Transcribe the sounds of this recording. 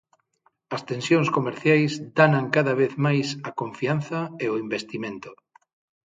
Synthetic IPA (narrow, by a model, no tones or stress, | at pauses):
ɐst̪ẽnsjõŋskomeɾθjajzd̪anaŋkaðɐβeθmajsɐkõɱfian̟θɐeʊimbest̪imẽnt̪ʊ̥